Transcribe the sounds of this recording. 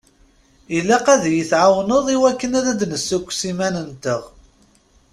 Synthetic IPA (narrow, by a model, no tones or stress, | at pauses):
ilːæqæðjəθʕawnəðˤiwækːənæðæd̪nəsːukʷːsimænənt̪əʁ